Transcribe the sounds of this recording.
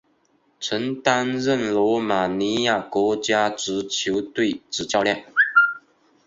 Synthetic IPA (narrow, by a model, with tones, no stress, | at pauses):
ʈ͡ʂʰə˧˥ŋt̪a˥nɻə˥˨nlɔ˧˥ma˨˩ni˧˥ja˥˩kwɔ˧˥t͡ɕja˥ʈ͡ʂɻ̩˧˥t͡ɕʰjo˧˥ʊt̪we˥˩ɪʈ͡ʂɻ̩˨˩t͡ɕjɑ˥˧ʊljɑ˥˩ŋ